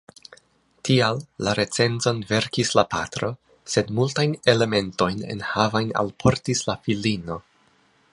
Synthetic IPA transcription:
tʰialːaɾe̞t͡se̞nzo̞nve̞ɾkislapatɾo̞ | se̞dmultajne̞le̞me̞nto̞jne̞̰nhavajna̰lpʰo̞ɾtislafilino̞

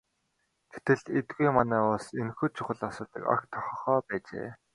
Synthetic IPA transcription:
ɡ̥e̥t̪ɘ̆ɮet̪ɡujmanæːʊɮsenxuːt͡ɕʰʊχə̆ɮasʊːt̪ə̆ka̰kt̪ʰɔ̥χɞ̆χɔːpæːt͡ɕḛː

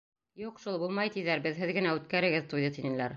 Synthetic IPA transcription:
juqʃulˠbulˠmɑjt̪iðæɾbɘðɦɘðɡɘ̆næʉt̪̚kæɾɘ̆ɡɘðt̪ujðɤt̪inɘ̆læɾ

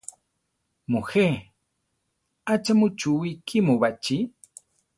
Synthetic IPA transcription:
muxe | at͡ʃamut͡ʃuwikʰimuβat͡ʃi

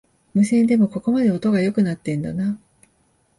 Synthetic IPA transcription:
mɯ̟sẽ̞nd̪e̞mo̞ko̞ko̞mad̪e̞o̞t̪o̞ɡajo̞kɯ̟nat̪ːẽ̞nd̪a̰na

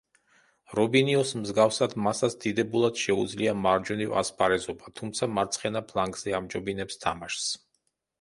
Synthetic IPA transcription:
ɾɔbiniɔsmzɡafsad̪masat̪sd̪̥id̪ɛbulˠad̪̥ʃɛud̪zliamaɾd͡ʒɔniva̰spʰʼaɾɛzɔbat̪ʰumt̪sʰamaɾt̪sʰχɛnapʰlˠaŋɡzɛamd͡ʒɔbinɛpst̪ʰamaʃs

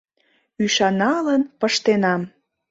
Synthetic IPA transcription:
yʃɑnɑlənpəʃt̪enɑm

